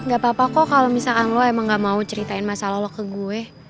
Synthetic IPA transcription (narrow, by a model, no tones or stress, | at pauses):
ŋɡapapakɔkalomisakanlɔɛmaŋɡaʔmaut͡ʃəɾit̪aɪnmasalalɔkəɡuɛ